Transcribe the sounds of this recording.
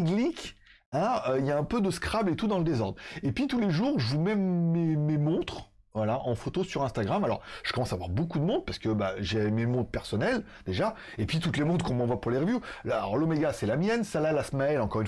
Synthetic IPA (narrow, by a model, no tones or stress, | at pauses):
ɡlik | ɛ̃øijaɛ̃pød̪əskχablet̪ud̪ɑ̃ləd̪ezɔʁd̪ʁepɥit̪uleʒuʁʒəvumɛːememɔ̃t̪χ | vwalaʔɑ̃fot̪osyʁɛ̃st̪aɡʁamalɔʁʒ̥ə̥kɔmɑ̃savwaʁbokud̪əmɔ̃d̪̚paʁsə̥kəbaʒememɔ̃t̪χpɛʁsɔnɛl | d̪eʒa | epɥit̪ut̪lemɔ̃t̪kɔ̃mɑ̃vwapuʁleʁəvjulaɔ̰ʁlomeɡasɛlamjɛnsalalasmaɛlɑ̃kɔʁyn